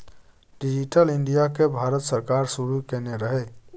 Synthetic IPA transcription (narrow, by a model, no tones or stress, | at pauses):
ɖid͡ʒiʈəliɳɖijakebʱaɾət̪səɾkaɾsuɾukeneɾəɦɛ